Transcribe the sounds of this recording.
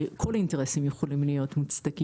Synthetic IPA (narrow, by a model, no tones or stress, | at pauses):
kʰo̞lainteʁesimjeχolimlijo̞tmut͡st̪ɐki